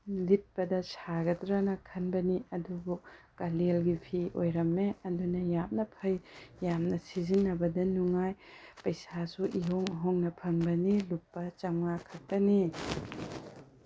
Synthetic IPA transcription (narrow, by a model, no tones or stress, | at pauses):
lit̚pɐdɐsaɡɐtɾanɐkʰɐnbɐniɐdubukalelɡipʰiʔojɾɐmːeɐdunɐjamnɐpʰɐjjamnɐsizinːɐbɐdɐnuŋajpɐjsasuʔiɦoŋɦoŋnɐpʰɐŋbɐnilupːɐt͡ʃɐŋakʰɐk̚pɐni